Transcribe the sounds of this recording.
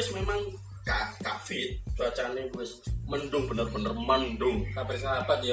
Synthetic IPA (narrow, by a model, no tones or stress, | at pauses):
ɪsmemaŋ | kakafɪt̪̚t͡ʃuat͡ʃanebuwɪsməndʊŋbənərbənərməndʊŋsapɪrs̬apadia